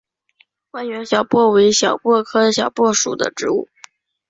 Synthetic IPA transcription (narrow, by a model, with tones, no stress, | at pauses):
wa˥˩nɥɛ˧˥nɕjɑ˨˩ʊpwɔ˥˩we˧˥ɪɕjɑ˨˩ʊpwɔ˥˩kʰɤ˥ɕjɑ˨˩ʊpwɔ˥˩ʂṵ˨˩d̪ə̰˦ʈ͡ʂɻ̩˧˥u˥˩